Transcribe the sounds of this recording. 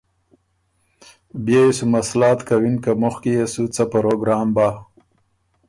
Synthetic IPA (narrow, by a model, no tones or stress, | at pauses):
bjeisumaslɑːt̪kawinkamuxkijesut͡sapɐɾoɡɾaːmba